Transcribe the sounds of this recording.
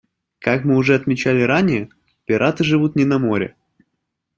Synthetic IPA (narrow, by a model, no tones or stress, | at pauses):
kakmɨʊʐɛɐt̪mʲɪt͡ɕælʲɪɾanʲɪjə | pʲɪɾʔat̪ɨʐɨvut̪nʲɪnɐmo̞ɾʲɪ̰